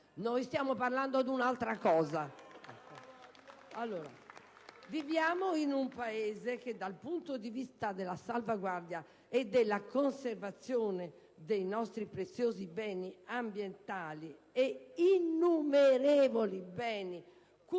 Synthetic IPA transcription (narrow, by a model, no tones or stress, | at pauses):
noːjst̪jaːmoparland̪od̪unalt̪ɾakɔːza | alːoːɾa̰ | vivjaːmoinumpaeːzek̟ed̪ːalpunt̪od̪ivist̪ad̪ɛlasalvaɡwaɾd̪ja | ɛd̪ɛlːakonseɾvat̪sːjoːnɛ | d̪ejnɔst̪ɾipɾet̪sːjoːzibɛːniambjɛnt̪aːliɛinːumeɾɛːvolibɛːni | k